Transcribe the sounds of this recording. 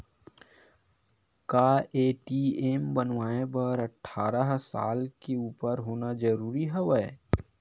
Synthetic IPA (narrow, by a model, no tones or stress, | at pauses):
kaːeːʈieːmbənʋaːẽbəɾəʈʰːaːɾəɦsa̰ːlkeuːpəɾɦoːnad͡ʒəɾuːɾiɦɛʋəe